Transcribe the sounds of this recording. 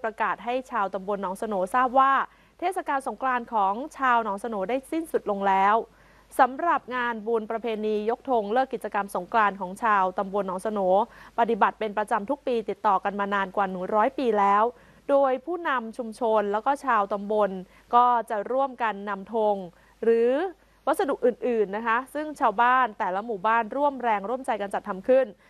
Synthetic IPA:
pɾa˧kaː˨˩t̪̚ɦa˥˩jt͡ɕʰaː˧wt̪a˧mbo˧nːɔː˩˦ŋsa˧noː˩˦saː˥˩p̚waː˥˩ | t̪ʰeː˥˩t̪̚sa˧kaː˧nso˩˦ŋklaː˧nkʰɔː˩˦ŋt͡ɕʰaː˧wnɔː˩˦ŋsa˧noː˩˦daː˥˩jsi˥˩nsu˨˩t̪̚lo˧ŋlɛː˦˥w | sa˩˦mɾa˨˩p̚ŋaː˧nbuː˧npɾa˧pʰeː˧niː˧jo˦˥k̚t̪ʰo˧ŋlɤː˥˩kːi˨˩t̪̚t͡ɕa˧ka˧mso˩˦ŋklaː˧nkʰɔː˩˦ŋt͡ɕʰaː˧wt̪a˧mbo˧nːɔː˩˦ŋsa˧noː˩˦pa˧t̪i˨˩ba˨˩t̪̚pe˧npɾa˧t͡ɕa˧mt̪ʰu˦˥k̚piː˧t̪i˨˩t̪ːɔː˨˩ka˧nmaː˧naː˧nkwa˨˩nɯ˨˩˦ɾɔː˦˥jpiː˧lɛː˦˥w | doː˧jpʰuː˥˩na˧mt͡ɕʰu˧mt͡ɕʰo˧nlɛː˦˥wkɔː˥˩t͡ɕʰaː˧wt̪a˧mbo˧n | kɔː˥˩t͡ɕa˨˩ɾu˥˩əmka˧nːa˧mt̪ʰo˧ŋ | ɾɯː˩˦ | wa˦˥t̪̚sa˧du˨˩k̚ʔɯː˨˩nʔɯː˨˩nːa˦˥kʰa˦˥sɯ˥˩ŋt͡ɕʰaː˧wbaː˥˩nt̪ɛː˨˩la˦˥muː˨˩baː˥˩nɾu˥˩əmɾɛː˧ŋɾu˥˩əmt͡ɕa˧jka˧nt͡ɕa˨˩t̪ʰːa˧mkʰɯ˥˩n

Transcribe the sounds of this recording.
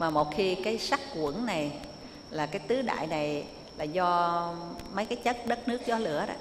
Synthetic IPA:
maː˨˩mo˨˩t̚xi˧kaː˨˦jsa˦˥kkwəŋna˨˩j | laː˨˩kaː˨˦jt̪ɨ˨˦ɗa̰ː˧˨jna˨˩j | laː˨˩zɔ˧ | mə˨˦jkaː˨˦jt͡ɕə˦˥t̚ɗə˦˥t̚nɨ˦˥ək̚zɔ˨˦lɨ̰˧˩əɗɔ̰˧˦

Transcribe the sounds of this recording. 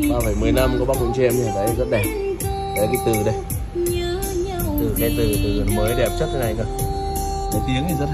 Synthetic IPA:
ɓaː˧fə˧˩jmɨ˨˩əjna˧mkɔ˨˦ɓa˦˥k̚ɓṵ˧˨ŋ͡mt͡ɕɛ˧mi˧˩kaː˨˦˨zə˦˥t̚ɗɛ˨˩p̚ | a˨˦lːka˨˧˦t̪ɨ̰˧˩ɗə˧˦ | tt̪ɨ̰˧˩ŋa˧˦jt̪ɨ˧˩t̪ɨ̰˧˩li˨˩əməː˨˦jɗe˧˨˩ə˨˩t͡ɕə˦˥tʰə˨˦na˨˧˩jkə˧˩ | ka˨˦t̪i˨˦əŋi˨˩zə˦˥t̚

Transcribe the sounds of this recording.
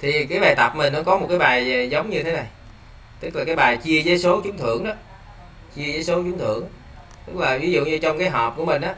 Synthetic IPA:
t̪ʰi˨˩kaː˨˦jɓaː˨˩jt̪ə˨˩p̚mi˨˩ŋ̟ʔəː˧˦kɔ˨˦mo˨˩t̚kaː˨˦jɓaː˨˩jzə˨˦wŋ͡mɲɨ˧t̪ʰe˨˦na˨˩j | t̪ɨ˦˥k̚laː˨˩kaː˨˦jɓaː˨˩jt͡ɕi˧əzə˨˦jso˨˦t͡ɕʊ˨˦ŋ͡mt̪ʰɨ̰˧˩əŋɗɔ˨˦ | t͡ɕi˧əzəː˨˦jso˨˦t͡ɕʊ˨˦ŋ͡mt̪ʰɨ̰˧˩˨əŋ | t̪ɨ˦˥k̚laː˨˩vi˨˦zṵ˧˨ɲɨ˧t͡ɕɔ˧wŋ͡mkaː˨˦jɦɔ˨˩p̚ku˧˩əmï˨˩ŋ̟ʔaː˨˦

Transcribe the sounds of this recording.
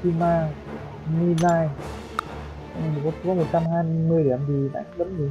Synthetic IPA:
ti˧˩maː˧˩ | ni˧naː˧˩j | kɔ˨˦˧kɔ˨˦mo˨˩t̚t͡ɕa˧mhaː˧jmɨ˧əjɗi˧˩˨əmt̪ʰi˨˩ɗa̰ː˧˥˦lə˨˦m˧˨˩

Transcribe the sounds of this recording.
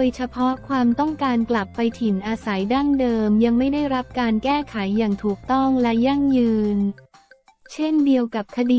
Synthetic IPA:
o˧jt͡ɕʰa˧pʰɔ˦˥ʔkʰwaː˧mt̪ɔ˥˩ŋkaː˧nkla˨˩pːa˧jt̪ʰi˩˦nʔaː˧sa˩˦jdaː˥˩ŋdɤː˧mja˧ŋma˥˩jda˥˩jɾa˦˥p̚kaː˧nkɛː˥˩kʰa˩˦jːaː˨˩ŋt̪ʰuː˨˩k̚t̪ɔ˥˩ŋlɛ˦˥ja˥˩ŋjɯː˧n | t͡ɕʰe˥˩ndi˧əwka˨˩p̚kʰa˧diː˧

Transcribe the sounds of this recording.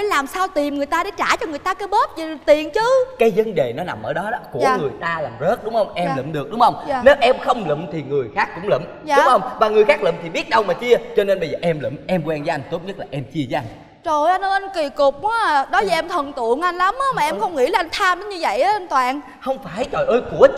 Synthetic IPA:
a˨˦laː˨˩msaː˧wt̪i˨˩mŋɨ˨˩əjt̪aː˧ɗe˧˩˦t͡ɕaː˧˩t͡ɕɔ˧ŋ˨˩əjt̪aː˧kaː˨˦jɓə˦˥t̚zi˨˩˨t̪i˨˩ənt͡ɕɨ˨˦kaː˨˦jzə˨˦nɗe˨˩nɔ˨˦na˨˩mʔəː˧˩ɗɔ˨˦ɗɔ˨˦ku˧˩əː˩ŋɨ˨˩əjt̪aː˧laː˨˩mzə˦˥t̚ɗʊ˨˦ŋ͡mhə˧wŋ͡mʔɛ˧m˧˨lɨ̰˧˨mɗɨ˨˩ək̚ɗʊ˨˦ŋ͡mhə˧wŋ͡mːne˨˦wʔɛ˧mxə˧wŋ͡mlɨ̰˧˨mt̪ʰi˨˩ŋɨ˨˩əjxaː˦˥kːʊ̰˧˥ŋ͡mlɨ̰˧˨m | aː˨ʊ˦˩ŋ͡mhə˧wŋ͡mvaː˨˩ŋɨ˨˩əjxaː˦˥k̚lɨ̰˧˨mt̪ʰi˨˩ɓi˦˥ət̚ɗə˧wmaː˨˩t͡ɕi˧ət͡ɕɔ˧ne˧nɓə˧jzəː˨˩ʔɛ˧mlɨ̰˧˨mʔɛ˧mkwɛ˧nzaː˧˦ʔa˧nt̪o˦˥t̚ɲə˦˥t̚laː˨˩ʔɛ˧mt͡ɕi˧əza˦˧n | zo˨˩jʔa˧nə˧˩ʔa˧nki˨˩kʊ˨˩k͡p̚waː˨˦ɗɔ˨˦zi˨˩ʔɛ˧mt̪ʰə˨˩nt̪ɨ̰˧˨əŋʔa˧jn̟la˨˦mʔːmaː˨˩ʔɛ˧mxə˧wŋ͡mŋḭ˧˥laː˨˩ʔa˧jŋ̟t̪ʰaː˧mɗə˨˦nɲɨ˧və̰˧˨jʔaː˨˦ʔa˧n̟t̪waː˧˨n | hə˧wŋ͡mfaː˧˩jt͡ɕɔ˨˩jʔəː˧jku˧˩ə

